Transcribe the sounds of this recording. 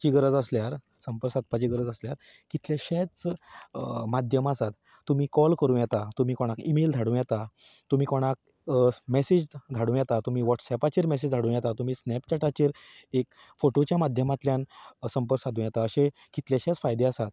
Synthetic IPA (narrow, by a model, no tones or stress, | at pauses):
t͡ɕiɡəɾət͡səsljaɾ | səmpəɾsat̪̚pat͡ɕiːɡəɾəd͡zəsljaɾ | kit̪ljeɕɛt͡s | mad̪ʱjəmasat̪ː | um̤iːkɔlkəɾũːjɛt̪at̪um̤iːkoɽ̃akimeld̪ʱaɽũːjɛt̪at̪um̤iːkoɽ̃ak̚ | mɛsid͡ʑd̪ʱaɽũjɛt̪at̪um̤iːʋɔʈsɛpat͡ɕiɾmɛsed͡ʑd̪ʱaɽũjɛt̪at̪um̤iːsnɛp̚t͡ɕaʈat͡ɕiːɾ | ek | foʈot͡ɕjamad̪ʱjəmat̪ljãnsəmpəɾsat̪ũjɛt̪aəɕẽ | kit̪ljaɕɛt͡sfajd̪easat̪̚